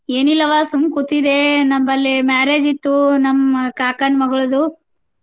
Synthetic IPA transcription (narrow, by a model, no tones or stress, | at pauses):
eːnilːɐʋaːsumkut̪ːid̪enɐmbɐlːimaːɾeːd͡ʒit̪ːunɐmːkaːkɐnmɐɡɐɭud̪u